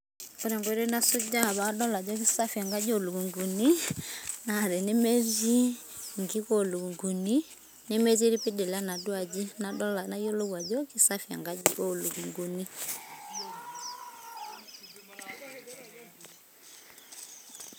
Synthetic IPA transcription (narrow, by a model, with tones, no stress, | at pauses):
ɔ˦ɾɛ˨ŋɡɔ˨˦ɾɛ˦na˦sɔ˦d͡ʒa˦˨βa˦dɔ˦la˨d͡ʒɔ˦k̬i˦sa˦fja˨ŋɡa˦d͡ʒo˦lu˨ku˨ŋɡu˨ni˦na˦˨ɾɛ˨ni˦mɛ˦zi˦ | ŋɡi˦ko˦lu˨ŋɡu˨ni˦ | ni˦mɛ˦zi˦ɾi˦pi˦dɛ˨la˦na˨dwa˨d͡ʒi˦nadɔ˦la˨na˦jo˦lo˦wa˨d͡ʒɔ˦ki˦sa˦fja̰˨ŋɡa˦i˦ɔ˦lu˨ku˨ŋɡu˨ni˦